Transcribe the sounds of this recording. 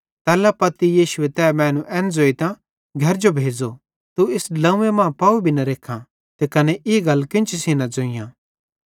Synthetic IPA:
t̪ɛːlapɐt̪ijiːʃʊet̪ɛːmɛ̃ːnũʔɛ̃ːnd͡zoːit̪ã | ɡʱɐɾd͡ʒobʱeːd͡zo | t̪uɪslɐ̃ũemãːpaubʱinɐɾeːkʰːã | t̪ekɐnɛʔɪɡɐlːkɪ̃nt͡ʃisiːnad͡zoːɪ̃jã

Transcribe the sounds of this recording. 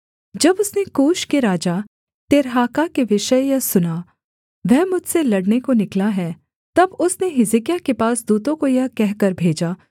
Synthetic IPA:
d͡ʒɐbʊsnekuːʃkeɾaːd͡ʒa | t̪ɪɾɦaːkakeʋɪʃəjasʊna | ʋɛɦmʊd͡ʒʱselɐɽnekonɪklaɦɛː | t̪ɐbʊsneɦɪzɪkjakepaːsd̪uːt̪õkojakɛɦkɐɾbʱeːd͡ʒaː

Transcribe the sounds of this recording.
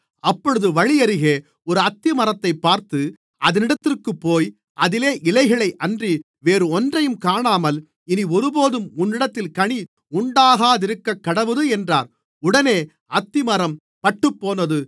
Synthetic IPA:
ɐpːɔɻɯðɯʋɐɻɪjɐɾɯɣeː | ɔɾɯɐt̪ːɪmɐɾɐt̪ːɐɪpːaːɾt̪ɯ | ʔɐðɐnɪɽɐt̪ːɪrkɯpːoːj | ʔɐðɪleːʔɪlɐɪɣɐɭɐɪʔɐndri | ʋeːɾɯɔndrɐjɯmkaːɳaːmɐl | ɪniɔɾɯboːðɯmʊnːɪɽɐt̪ːɪlkɐɳi | ʊɳɖaːɣaːðɪɾɯkːɐkːɐɽɐʋɐðɯɛndraːɾ | ʊɽɐneː | ɐt̪ːɪmɐɾɐm | pɐʈːɯpːoːnɐðɯ

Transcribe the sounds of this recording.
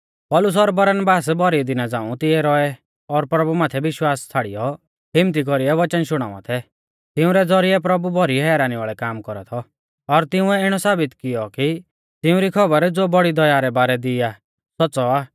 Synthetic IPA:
pɔːlʊs̬ɔɾbɐɾənbaːsbʱɔɾid̪ɪnad͡zãːũt̪ɪɛɾɔɛ | ɔɾpɾɐbumaːt̪ʰɛʋɪʃwaːst͡sʰaːɽḭjɔ | ɦɪmt̪̬ik̬ɔɾiɛʋɐt͡ʃənʃʊɽ̃a̰ːʋã̰t̪ʰɛ | t̪ɪũɾɛd͡zɔɾiɛpɾɐbubʱɔɾiɛɦɛːɾaːniʋaːɭɛkaːmkɔɾat̪ʰɔ | ɔɾt̪ɪʊ̃ɛɪɽ̃ɔsaːbɪt̪kɪjɔki | t̪ɪũɾikʰɔbəɾd͡zoːbɔɽid̪ɔjaːɾɛbaːɾɛd̪ɪja | sɔːsɔaː

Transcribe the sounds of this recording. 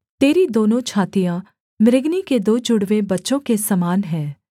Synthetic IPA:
t̪eːɾid̪oːnõt͡ʃʰaːt̪ijã | mɪɾɪɡniked̪oːd͡ʒʊɽʋebɐtːʃõkesɐmaːnɦɛ̃ː

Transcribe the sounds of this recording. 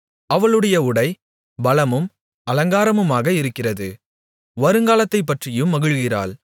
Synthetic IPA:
ɐʋɐɭɯɽɐjɐʊɽɐɪ | bɐlɐmɯm | ɐlɐŋɡaːɾɐmɯmaːɣɐɪɾɯkːɪrɐðɯ | ʋɐɾɯŋɡaːlɐt̪ːɐɪp̬ːɐʈrɪjɯmːɐɣɯɻɣɪra̰ːɭ

